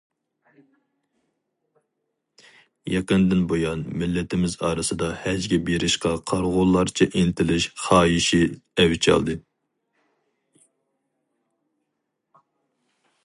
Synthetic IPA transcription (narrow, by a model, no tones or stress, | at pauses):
jɑqənd̪ɪnbojɑnmɪlːɪt̪ʰɪmɪzɑːɾɨsɨd̪ɑhæd͡ʒɡʲɛbeɾɪʃqɑqʰɑɾʁʊlˠːɑɾt͡ʃʰɛʔent̪ʰɪlɪʃχɑːjiʃiɛwt͡ʃʰɑ̰lˠd̪ɨ